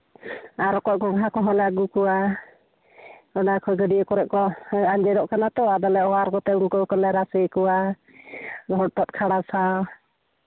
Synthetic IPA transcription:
aɾɔkɔʔ̚kɔɡɦakɔɦɔlaɡukɔwa | ɔnakʰɔɡəɖiəkɔɾɛʔkɔaɲd͡ʒɛdɔʔkanat̪ɔad̪alɛɔwaɾkɔt̪ɛuŋkɔkɔlɛɾasekɔwa | dʱɔɽ̚t̪ɔt̪̚kʰaɽasa

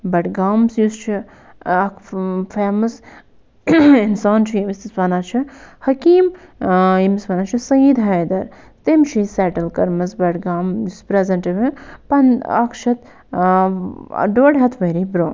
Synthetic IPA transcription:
bɐʈɡaːmsjust͡ʃʰi | ɐkfeːmɐs | ɪnsaːnt͡ʃʰiimist̪isʋɐːnaːt͡ʃʰihɐkiːmjimisʋɐnaːt͡ʃʰisɐjid̪ɦɐjd̪ɐɾ | t̪emʃʰisɛːʈɐlkɐɾmɐsbɐʈɡaːmjuspɾezɐɳʈiʋipɐnɐ̰kʃɐt̪ | ɖoːɽɦɐt̪ʰʋɐɾibɾoːn

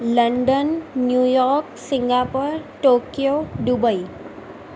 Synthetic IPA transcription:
ləɳɖənːjujɔɾksiŋɡapəɾʈokjoɖubəi

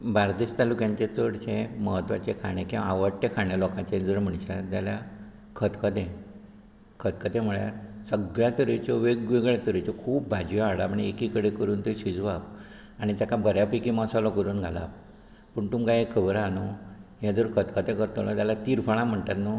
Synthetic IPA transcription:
baɾd̪eɕt̪alukjãɲt͡ɕet͡səɽt͡ɕeməɦət̪ʋa̰t͡ɕekʰaɽ̃ekĩaʋəɽʈ̪ekʰaɳjalɔkãt͡ɕed͡zəɾm̤əɳɕat̪jalja | kʰət̪kət̪ẽ | kʰət̪kət̪ẽm̤əɭja̰ɾsəɡɭjat̪əɾet͡ɕɔʋeɡʋeɡɭɛt̪əɾet͡ɕɔkʰuːpbʱad͡ʑjɔaɽapaɳiekikəɽekəɾuːnt̪eɕid͡zʋap | aɽ̃it̪jakabʱəɾjapikimasalɔkəɾuːnɡʱala̰ | pəɳt̪umkajekʰːəbɾanojad͡zəɾkʰət̪kʰət̪ekəɾt̪olɔ̰t̪jalat̪iɾfaɭ̃ãm̤əɳt̪at̪no

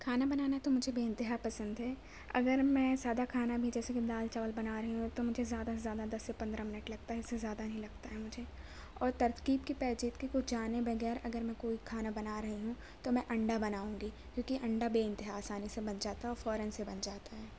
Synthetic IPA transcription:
kʰaːnabɐnaːnaɦɛt̪omʊd͡ʒʱebeːɪ̃nt̪ɪɦaːpɐsə̃nd̪ɦɛː | ɐ̰ɡəɾmɛ̃zjaːd̪akʰaːnabʱid͡ʒɛːsekid̪aːlt͡ʃaːʋəlbɐnaɾɐɦiɦũt̪omʊd͡ʒʱezjaːd̪azjaːd̪ad̪ɐsːepɐ̃nd̪ɾãmɪnəʈlɐɡ̚t̪aɦɛɪsːezjaːd̪anɐɦĩlɐɡ̚t̪aɦɛmʊd͡ʒʱe | ɔːɾt̪ɐɾt̪qiːb̚kipɛːd͡ʒiːt̪kikʊt͡ʃʰd͡ʒaːnebɐɣɛːɾɐɡəɾmɛ̃koːikʰaːnabɐnaɾɐɦiɦũ | t̪omɛ̃ʔɐ̃ɳɖabɐnaːũːɡi | kjõːkiʔɐ̃ɳɖabeːɪ̃nt̪ɪɦaːsaːnisebɐnd͡ʒaːt̪aɦɛɔːɾfɔːɾənsebɐnd͡ʒaːt̪aɦɛː

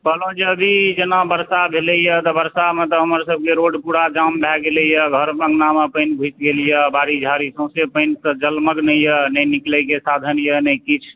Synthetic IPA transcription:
bəlõd͡ʒeəbʱid͡ʒenabəɾsabʱeləjət̪ɔbəɾsamet̪ɔɦəməɾsəb̚ʱkeɾoɖpuɽad͡ʒambʱɛɡeləjəɡʱəɾpəŋɡnamepəɪnbʱut͡ʃɡeljəbaɾid͡ʒʱaɾisə̃sepəɪnsə̃d͡ʒəlməɡnəjənəjniklɛkesad̪ʱənjənəjkit͡ʃʰ

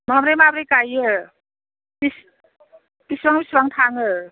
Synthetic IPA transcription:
mamɾejmabɾejkajɯ | bis | bisbaŋbisbaŋtʰaŋɯ

